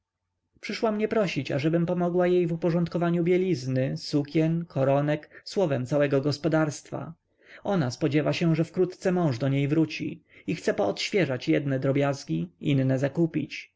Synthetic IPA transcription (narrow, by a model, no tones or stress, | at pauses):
pʂɘʂwamɲɛpɾɔɕit͡ɕa̰ʐɛbɘmpɔmɔɡwajejvupɔʐɔnt̪kɔvaɲubʲjɛlʲiznɘsukʲɛnkʰɔɾɔnɛkswɔvɛmt̪sawɛɡɔɡɔspɔd̪aɾst̪fa̰ | ɔnaspɔd͡ʑɛvaɕɛʐɛfkɾut̪t̪sɛmɔ̃w̃ʐd̪ɔɲejvɾut͡ɕḭixt̪sɛpɔːt̪ɕfʲjɛʐat͡ɕjɛd̪nɛd̪ɾɔbʲjazɡʲiinːɛzakupʲḭt͡ɕ